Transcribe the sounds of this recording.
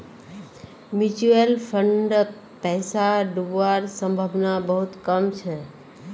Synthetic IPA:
mut͡ʃuelfʰəɳɖ | pɛɦsaɖuʋaɾsə̃mbʱəʋnabəɦut̪kəmt͡ʃʰe

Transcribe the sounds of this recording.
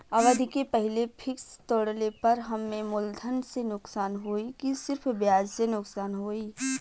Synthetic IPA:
aʋəd̪ʱikepəɦɪlepʰɪkst̪oːɽlepɐɾɦɐmːẽmʊld̪ʱənsenʊksaːnɦoːikisɪɾpʰbjaːd͡ʒsenʊksaːnɦoːiː

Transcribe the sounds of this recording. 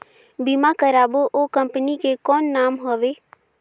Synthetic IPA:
bimakəɾaːboʔoːkə̃mpənikekɔːnːaːmɦoːʋeː

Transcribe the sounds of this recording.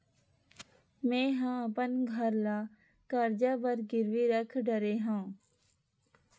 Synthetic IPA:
mẽːɦãːəpənɡʱəɾlaː | kəɾd͡ʒaːbəɾɡɪɾʋiːɾəkʰɖəɾeːɦãː

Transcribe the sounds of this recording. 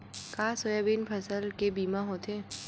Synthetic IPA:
kaːsojabiːnpʰɐsəlkebiːmaɦoːt̪eː

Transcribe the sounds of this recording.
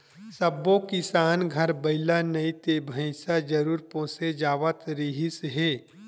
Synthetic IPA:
sɐbːõkɪsaːnɡʱɐɾbɐɪlanɐit̪ebʱə̃ɪsad͡ʒɐɾuːɾpõːsed͡ʒaːʋət̪ɾiɦɪsɦeː

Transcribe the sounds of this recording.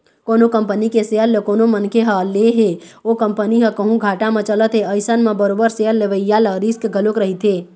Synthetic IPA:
konokəmpənikeseəlːekoːnomənkʰeɦəleɦe | okəmpəniɦəkəɦũɡʱaːʈamẽt͡ʃələt̪ɦeəɪsənmẽbəɾoːbəɾseəlːeʋəjjaləɾiskɡʱəlokɾəɦit̪ʰɦe

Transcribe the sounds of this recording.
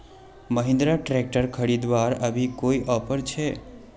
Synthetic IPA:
məɦɪ̃nd̪ɾaʈɾek̚ʈəɾkʰəɽid̪ʋaɾəʋikoiʔɔfəɾt͡ʃʰe

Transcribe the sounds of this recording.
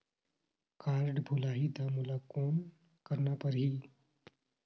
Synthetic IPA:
kaːɾɖbʱʊlaːɦid̪amʊlakoːn | kɐɾnapɐɾɦiː

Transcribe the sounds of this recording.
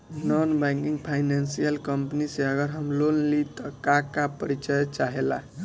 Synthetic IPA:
nɔnbaŋkiŋɡpʰajnansijəlkəmpniseəɡəɾɦəmlonlit̪ɔkakapəɾit͡ʃəjt͡ʃaɦela̰

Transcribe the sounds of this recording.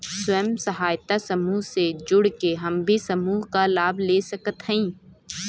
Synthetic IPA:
sʊəmsɐɦaːjt̪asɐmuːɦsed͡ʒʊɽkeɦɐmbʱisɐmuːɦkalaːbleːsɐkət̪ɦə̃ĩː

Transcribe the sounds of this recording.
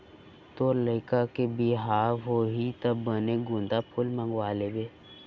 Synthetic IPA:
t̪oːɾləɪkakebiɦaːɦoɦit̪əbːəneɡʊ̃nd̪apʰʊlmə̃ŋɡwaːlebeː

